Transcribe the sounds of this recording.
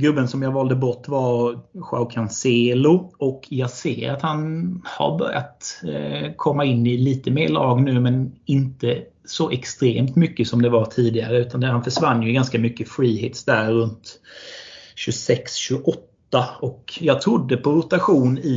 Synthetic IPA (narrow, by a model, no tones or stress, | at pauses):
ɡɾɵbːənsɔmjɑːɡvɑːld̪əbɔʈːvaɾɧa̰ʊkʰanseːlʊɔkjɑːɡsḛːɾat̪hanha̰ɾbœ̰ɾja̰t̪ | kʰɔmːaɪnːɪliːt̪əmeːɭɑːɡnʉ̟ːmɛnɪnt̪ə | sɔʔɛkst̪ɾeːmt̪mʏkːəsɔmd̪ɛvat̪ʰiːd̪ɪɡaɾəʉ̟ːt̪and̪ɛhanfœʂvanːjɵɡanskamʏkːəfɾiːheːt̪sd̪æɾːɵnt̪ | ɕɵsɛksɕɵʔɔt̪ːaɔkjɑːɡ̚t̪ʰɾʊd̪ːəpʰɔɾʊt̪aɧuːnɪ